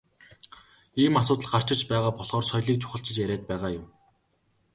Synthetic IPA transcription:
iːmasʊːt̪ə̆ɮɢar̥t͡ɕɪ̆t͡ɕpæːʁaːpɔɮʁɔːrsɔjɮiːk̚t͡ɕʰʊ̥χə̆ɬt͡ɕɪ̆t͡ɕjæɾʲæːt̪̚pæːʁaːjʊw

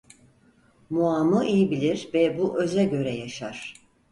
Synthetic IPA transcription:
muaːmɯʔijibilʲiɾvɛbuʔø̞zɛɟø̞ɾɛjaʃaɾ̥

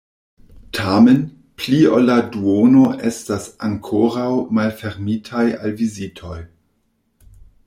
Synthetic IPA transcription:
tʰamen | plioladuonoʔestasaŋkʰoɾawmalfeɾmitʰaja̰lvizitʰoj

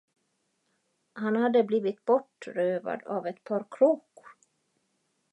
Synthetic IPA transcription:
hanhad̪ːəbliːvɪt̪bɔʈɾøːva̰d̪avɛt̪pʰɑːɾkʰɾuːk

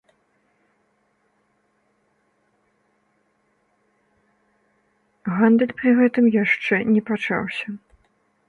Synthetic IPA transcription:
ɣand̪ɛlʲpɾɨɣɛt̪ɨmjaʂt͡ʂɛnʲɛpat͡ʂa̰wsʲɐ

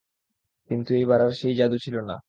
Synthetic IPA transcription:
kint̪uejβaɾaɾʃejd͡ʑad̪ut͡ɕʰilona̰

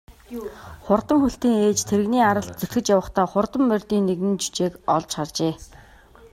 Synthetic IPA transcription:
χʊrt̪ə̆mxuɬt̪iːŋeːt͡ɕt̪ʰeɾɘ̆ɣniːaɾə̆ɬt̪̚t͡sɵt̪xɘ̆t͡ɕjawə̆χt̪ʰɔːχʊrt̪ə̆mːœrʲt̪iːnːeɣɘ̆nt͡ɕu̥t͡ɕeːkɔɮt͡ɕχart͡ɕeː

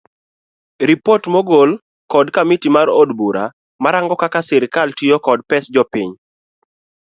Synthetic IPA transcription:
ɾipotmɔɡol | kɔdkamitimaɾodbuɾa̰ | maɾaŋɡɔkakasɪɾkaltiokɔdpɛsd͡ʒɔpiɲ

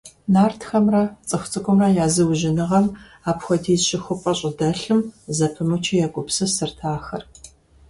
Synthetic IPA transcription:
naːrtxɐmrɐt͡sʼɨxʷʊt͡sʼɨkʷʼʊmrɐjaːzɨwʒɪnɨʁɐm | aːpxʷɔdiːɕɪxʷʊpʷʼɐɕʼɪdɐɬɨmzɐpʰɨmɨt͡ʃʰijaɡʷʼʊpsɨsɨrtʰaːxɐr

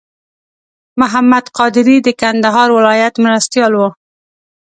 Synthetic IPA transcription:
mʊɦamːad̪qɑd̪ɪɾid̪əkand̪aɦɑɾwɪlɑjat̪mɾast̪jɑlwu

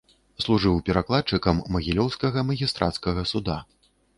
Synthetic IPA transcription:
slˠuʐɨwpʲɛɾaklˠat̪̚t͡ʂɨkɐmːɐɣʲilʲɔwskɐɣɐmɐɣʲist̪ɾʔa̰t̪skɐɣɐsud̪a

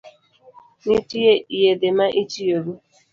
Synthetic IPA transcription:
nitujeiɦedemaʔit͡ʃioɾu

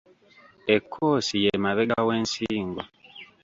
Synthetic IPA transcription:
ekʰːoːsijemaβeɡaweːnsiːŋɡo

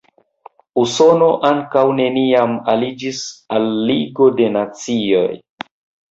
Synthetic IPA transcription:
uso̞no̞ʔaŋkawne̞niamalid͡ʒisalːiɡo̞de̞nat͡sio̞̰j

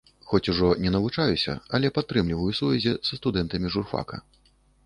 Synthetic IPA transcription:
xɔt͡sʲuʐɔnʲɛnɐvut͡ʂajusʲɐ̰ɐlʲɛpat̪ːɾɨmlʲivɐjusuvʲɛzʲizɐst̪ud̪ɛnt̪ɐmʲiʐurfa̰kɐ̰

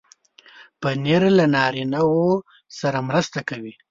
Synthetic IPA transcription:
pəneɾlanɑɾinawo | saɾamɾəst̪akawi

